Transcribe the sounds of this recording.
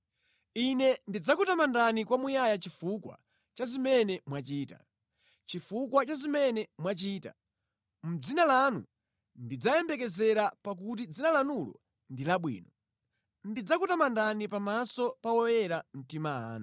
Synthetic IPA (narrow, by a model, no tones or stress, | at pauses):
inɛndid͡zakutamandanikwamujajat͡ʃifukwa̰ | t͡ʃazimɛnɛmwat͡ʃiːta̰ | t͡ʃifukwat͡ʃazimɛnɛmwat͡ʃiːta̰ | m̩d͡zinalanṵ | ndid͡zajɛmbɛk̬ɛzɛɾapak̬ut̬id͡zinalanulɔ̰ | ndilaɓwḭːnɔ | ndid͡zakutamandanipamasɔpawɔjɛɾam̩timaa̰ːna